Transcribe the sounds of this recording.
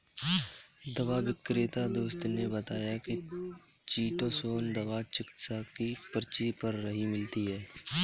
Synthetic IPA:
d̪ɐʋaʋɪkɾet̪ad̪oːst̪nebət̪aːjaki | t͡ʃiːʈõsoːnd̪ɐʋat͡ʃɪkt̪sakipəɾt͡ʃipəɾːɐɦimɪlt̪iɦɛː

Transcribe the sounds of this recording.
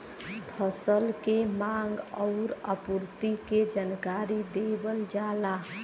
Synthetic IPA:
pʰəsəlkemãŋɡɔʊɾə̰puɾt̪iked͡ʒankaɾid̪ebəld͡ʒala

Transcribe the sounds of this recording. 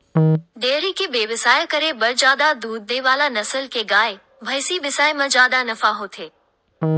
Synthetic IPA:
ɖeːɾikʰebeːʋɪsaːjkɐɾebɐɾd͡ʑaːd̪ad̪uːd̪̚ːeʋaːlanɐsəlkeɡaːe | bʱɐjsibɪsaːemɐ̃d͡ʑaːd̪anɐfaɦoːt̪ʰeː

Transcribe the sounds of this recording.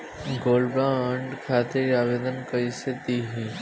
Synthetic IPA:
ɡoːlbãəɳɖkʰaːt̪eɾaːʋeːd̪ənkəiset̪iɦĩ

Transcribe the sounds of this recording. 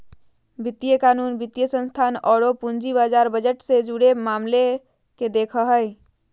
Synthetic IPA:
bʱɪt̪ːijəkaːnuːnbʱɪt̪jəsə̃nst̪ʰaːnɔːɽopũnd͡ʒiβaːd͡ʒaːɾbəd͡ʒəʈsed͡ʒuɽemaːmle | ked̪eːkʰəɦəj

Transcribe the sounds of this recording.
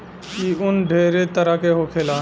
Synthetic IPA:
iʊnɖʱeːɾet̪əɾəkeɦokʰela

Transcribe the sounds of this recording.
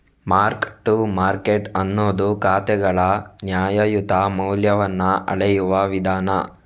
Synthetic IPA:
maːɾkʈumaːɾkeʈɐnːoːd̪ukaːt̪ɛɡɐɭɐnjaːjɐjut̪amɐwljɐʋɐnːɐʔɐ̰ɭɛjuʋɐʋid̪ʱaːnɐ

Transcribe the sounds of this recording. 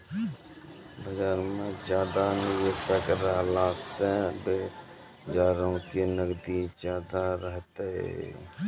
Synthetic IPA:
bəd͡ʒaːɾmẽd͡ʒjaːd̪anɪʋeːsəkɾəɦlaːseb | d͡ʒaːɾə̃ʊ̃kinəɡd̪id͡ʒjaːd̪aɾəɦt̪eḛ

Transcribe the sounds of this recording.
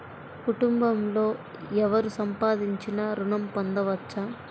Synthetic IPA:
kuʈumbɐmlo̞ː | ɛʋɐɾusɐmpaːd̪iɲt͡ʃinɐɾuɳɐmpond̪ɐʋɐtt͡ʃːɐ

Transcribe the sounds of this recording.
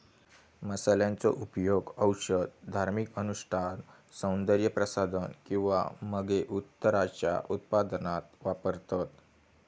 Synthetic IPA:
məsaljãnt͡sɔ̰ʔupjoɡəwɕəd̪d̪ʱaɾmikənuʂʈʰan | sə̃wnd̪əɾjəpɾəsad̪ʱənkĩw̃ʋa̰məɡeʔut̪ːəɾat͡ɕja̰ʔut̪̚pad̪nat̪ʋapəɾt̪at̪

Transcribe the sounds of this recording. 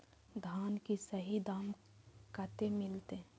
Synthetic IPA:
d̪ʱaːnkisəɦid̪aːm | kət̪emɪlt̪e

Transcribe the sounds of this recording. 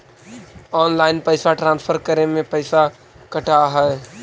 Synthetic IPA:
ɔːnlaːɪnpəɪsaʈɾãːnspʰəɾkəɾemẽpəɪsa | kəʈaɦɛɛ

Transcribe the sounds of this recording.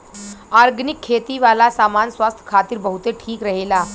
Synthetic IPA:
aɾɡnikʰːet̪iʋalasamansʋast̪ʰə̥kʰat̪iːɾbəɦut̪eʈʰiːkɾəɦela

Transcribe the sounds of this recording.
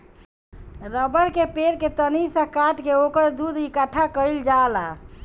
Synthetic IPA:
ɾəbəɾkepeɾket̪ənisə̃kaʈkeokəɾd̪ud̪ikəʈʰːakəild͡ʒala

